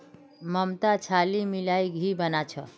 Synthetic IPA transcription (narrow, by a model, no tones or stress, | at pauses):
məmt̪at͡ʃʰalimilajɡʱibənat͡ʃʰə